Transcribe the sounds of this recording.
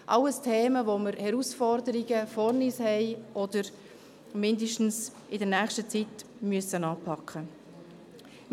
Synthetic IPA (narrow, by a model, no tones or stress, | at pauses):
ʔɑlːəstʰeːməvoməɾhɛɾusfɔɾdəɾiɡəfɔɾnishɛɪʔɔdəɾ | mɪndiʃtn̩s | ɪdəɾnæːχʃtət͡sit | myəsənɑːpʰɑkʰχə